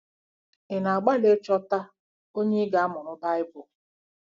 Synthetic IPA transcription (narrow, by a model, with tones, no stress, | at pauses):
ɪ˨na˨a˨ɡ͡ba˦le˦t͡ʃɔ˦ta˦ | o˦ɲe˦ɡa˨˦a˦mʊ˨ɾʊ˦da˦ɪ˦bʊ˨